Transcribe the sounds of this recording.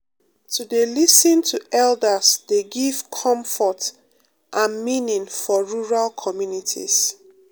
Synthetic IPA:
tʰudelisə̃ntʰuɛldəsdeɡiv̥kʰɔ̃ɱfɔt | ʔãnminĩŋfɔɹuɹalkʰɔmjunitʰḭs

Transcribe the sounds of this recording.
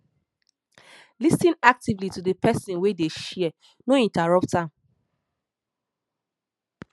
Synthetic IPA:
lisĩnak̚tivlitudəpʰɛsĩnwedeʃiɛ | noĩntaɹɔp̚tãm

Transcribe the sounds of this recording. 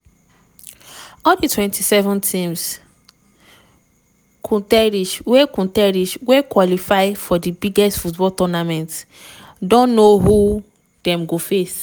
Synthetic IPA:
ɔlditwɛ̃ntisɛvɔ̃ntʰĩms | kʰũtɛɹiʃwekũtɛɹiʃwekwɔlifaɪfɔdibiɡɛstfutbɔltɔnamɛ̃nt | dɔ̃nːohu | d̥ɛ̃mɡofes

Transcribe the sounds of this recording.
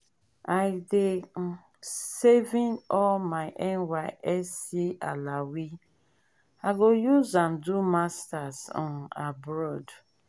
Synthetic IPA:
aɪde | sevĩnɔlmaɪʔɛ̃nwaʔɛsialawi | aɡojuzãmdumastazɔ̰nabɾɔd

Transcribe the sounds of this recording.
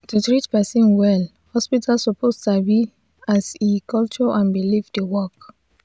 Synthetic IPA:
tutɹitpɛsĩnwɛl | hɔspitʰalsɔpʰostabi | asikɔlt͡ʃɔʔãnbilifdewɔk

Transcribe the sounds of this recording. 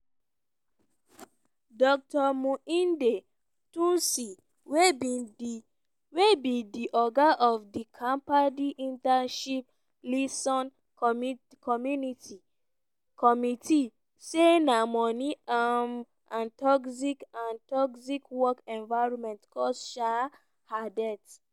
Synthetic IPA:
dɔk̚tɔmũĩnde | tũnsi | we | webĩdiʔɔɡaʔɔfdikʰãmpadiʔĩntanʃip̚ | lisɔ̃n | m | kʰɔmjuniti | kʰɔmitʰi | senamɔ̃niam | ãntɔksikãntɔksikwɔkɛ̃nvaɹɔmɛ̃ntkɔsʃa | hadɛt

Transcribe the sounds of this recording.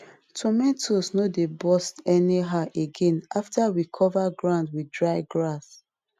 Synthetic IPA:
tʰɔmɛ̃tʰosnodebɔstɛniɦaʔeɡɛ̃nʔaftʰawikʰɔvaɡɹãʊ̃ndwidɹaɪɡɹas

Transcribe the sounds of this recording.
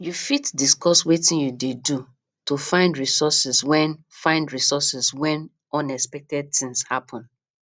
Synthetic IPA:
jufitdiskɔswetĩnjudedu | tofãɪ̃ndɹisɔsɛswɛ̃n | fãɪ̃ndɹisɔsɛswɛ̃n | ɔ̃nɛspɛk̚tɛd̚θĩŋshapʰɔ̃n

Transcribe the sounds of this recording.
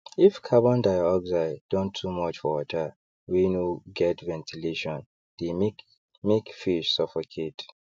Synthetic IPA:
ifkʰabɔ̃ndaɪaɔɡzaɪdɔ̃ntʰːumɔt͡ʃfɔwɔtʰə | winoɡɛtvɛ̃ntʰileʃɔ̃n | d̥em | mekfiʃsɔfɔkʰet

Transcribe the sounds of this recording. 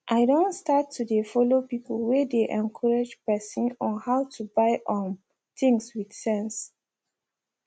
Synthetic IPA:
ʔaɪdõntstatʰːudefɔlopipəlwɛdeʔɛ̃nkʰɔɹad͡ʒpɛsĩnɔ̃nhaʊtʰubaɪʔɔ̃n | θĩŋswidsɛ̃ns

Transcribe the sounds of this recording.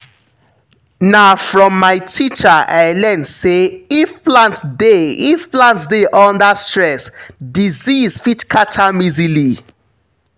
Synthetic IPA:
naʊfɹɔ̃mːaɪtʰit͡ʃaʔaɪlɛnseifplãntdeifplãntdeʔɔ̃ndastɹɛsdiziz̥fitkʰat͡ʃʰamizili

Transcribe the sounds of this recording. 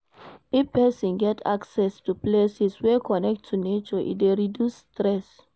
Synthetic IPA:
ifpɛsɔ̃nɡɛtʰa̰ksɛstuplesiswɛkʰɔnɛk̚tʰːunet͡ʃɔʔḭtdeɹidjusːtɹɛs

